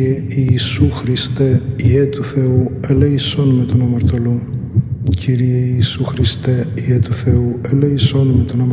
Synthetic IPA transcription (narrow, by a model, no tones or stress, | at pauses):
eiːsuxɾist̪eiet̪uθe̞ueleisonumet̪onɐmɐɾt̪o̞lu | cʰiɾieiːsuxɾist̪eiet̪uθe̞ueleiso̞numet̪onɐmɐ